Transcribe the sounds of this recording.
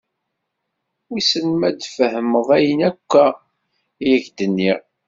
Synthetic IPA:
wisənmæd̪fəhəməðˤæjənækʷːæ | jæçd̪ənːiɾ

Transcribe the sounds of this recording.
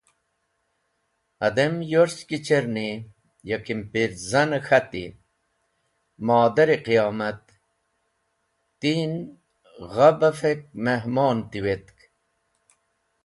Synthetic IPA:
ɐd̪emjoɾskit͡ɕeɾni | jɐkimpiɾzɐnəxɐt̪ḭ | maːd̪ɐɾiqijɑːmɐt̪̚ | in | ʁɐbɐfek̚meɦmɑːnt̪iwet̪k

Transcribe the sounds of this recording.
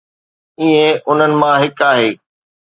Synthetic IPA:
iːẽʔʊn̤ənɪ̆mãɦɪkaːɦeː

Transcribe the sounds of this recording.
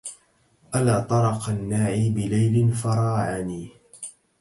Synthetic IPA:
ʔalaːt̪ˤɑɾˤɑqanːaːʕiːbɪlajlɪnfɑɾˤɑːʕaniː

